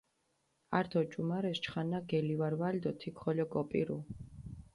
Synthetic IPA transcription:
aɾt̪ʰɔt͡ʃʼumaɾɛst͡ʃχanːaɡɛlivaɾwald̪ɔt̪ʰikʰχɔlɔkʼɔpʼḭɾṵ

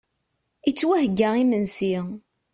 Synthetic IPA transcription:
it͡sːwæhɡːæimənsi

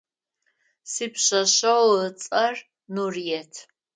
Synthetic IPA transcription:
siːpɕɐɕɐwət͡sʼɐr | nurijɛtʰ

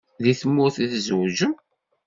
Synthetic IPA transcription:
ðiθəmːʊɾθiθzwʒəm

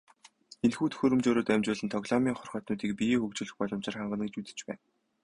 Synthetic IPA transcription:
enxuːt̪xɵɾɵ̆mt͡ɕoːɾoːt̪æmt͡ɕʊːɮɘ̆nt̪ʰɔɣɮɔmʲiːŋχɔrχɔːt̪nʊːt̪iːk̚pixɵkt͡ɕɵ̆ɮɘ̆xpɔɮɞ̆mt͡ɕɪ̆rχaɴɢə̆nɡet͡ɕut̪ɘ̥̆t͡ɕpæːn

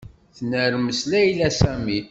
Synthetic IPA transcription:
θnəɾməslæjlæsæmi

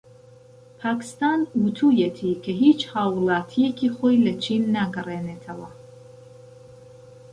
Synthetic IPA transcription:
pʰaːkʰɨ̥st̪aːnwut̪ʰuːjet̪ʰikʰɐɦiːt͡ʃhaːwlaːt̪ʰijekʰiːχoːjlɐt͡ʃʰinːaɡɨreːneːt̪ʰɐwɐ

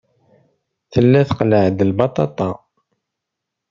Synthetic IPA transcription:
θəlːæθqləʕd̪lbɑt̪ˤɑt̪ˤɑ

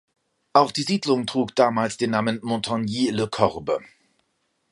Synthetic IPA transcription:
ʔaʊxd̥iːziːdlʊŋtʁ̥uːkd̥aːmaːlsd̥eːnːaːmənmɔ̃tʰɔnjiːləkʰɔʁbə̰

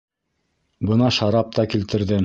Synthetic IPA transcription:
bɤnɑʃɑɾɑp̚t̪ɑkilt̪ɘ̆ɾðɘ

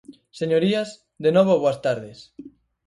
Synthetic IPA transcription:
seɲoɾiaz | d̪enoβ̞oβoast̪aɾðes

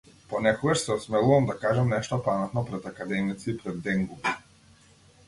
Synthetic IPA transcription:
pɔnɛkɔɡaʃsɛɔsmɛlˠuvamd̪akaʒamnɛʃt̪ɔpamɛt̪nɔpɾɛt̪akad̪ɛmit̪sipɾɛd̪ːɛŋɡubi

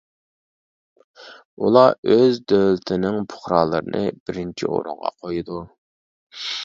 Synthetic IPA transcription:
ulˠɑøzd̪ølɪt̪ʰɪnɪŋpʰʊ̥χɾɑːlˠɨɾɨnɨb̥ɪɾɪnt͡ʃʰḭo̰ɾʊ̰ŋʁɑ̰qʰojud̪u

